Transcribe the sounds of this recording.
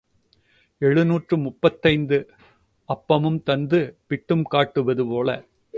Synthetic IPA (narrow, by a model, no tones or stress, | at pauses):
ɛɻɯnuːʈrɯmʊpːɐt̪ːɐɪnd̪ɯ | ɐpːɐmɯmt̪ɐnd̪ɯpɪʈːɯmkaːʈːɯʋɐðɯpoːlɐ̰